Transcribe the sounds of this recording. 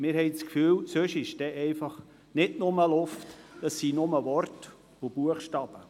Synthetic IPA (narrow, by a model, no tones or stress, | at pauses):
mɪːɾhɛjt͡skfyːlsøʃɪʃd̥ɛʔɛɪfɑχ | nɪdnʊməlʊftd̥ɑsːinʊməʋɔɾt | ʊb̥uəχʃtɑb̥ə